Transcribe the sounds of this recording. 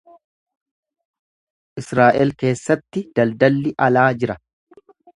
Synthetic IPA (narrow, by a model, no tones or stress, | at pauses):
ʔɪsɾaːʔɛlke̞ːsːɐt̪ːɪd̪̥ɐld̪ɐlːɪʔɐlaːd͡ʒɪɾɐ